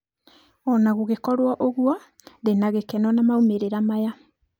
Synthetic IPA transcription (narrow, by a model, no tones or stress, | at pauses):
ɔnaɣuɣekɔɾwaʔoɣwa | ðenaɣekɛnɔnamaumeɾeɾamaja